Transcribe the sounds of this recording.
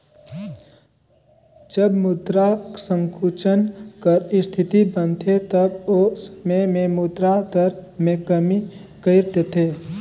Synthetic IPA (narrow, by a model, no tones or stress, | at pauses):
d͡ʒəbmud̪ɾasə̃ŋkʰut͡ʃənkəɾɪst̪ʰɪt̪ibənt̪ʰet̪əbosmẽmẽmud̪ɾad̪əɾmẽkəmi | kəɪɾt̪et̪ʰeː